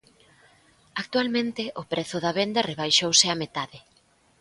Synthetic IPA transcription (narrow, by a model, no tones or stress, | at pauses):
ak̚t̪ualmẽnt̪ɪʔʊpɾɛθʊðɐβend̪ɐreβ̞ajʃowsɪamet̪aðɪ